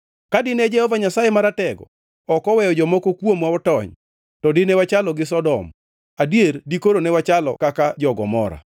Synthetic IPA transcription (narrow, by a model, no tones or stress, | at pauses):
kadɪnɛd͡ʒɛhɔvaɲasajemaɾatɛɡɔ̰ | ɔkɔwɛjɔd͡ʒɔmokokwomwaɔtɔɲ | tɔdɪnewat͡ʃalɔɡɪsɔdɔm | adjerdikoɾonɛwat͡ʃalɔ̰kakad͡ʒɔɡɔmɔɾa̰